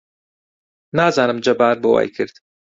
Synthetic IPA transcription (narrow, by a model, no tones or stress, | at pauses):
naːzaːnɨmd͡ʒɐbaːɾboːwa̰ːjkʰɨɾd̪̥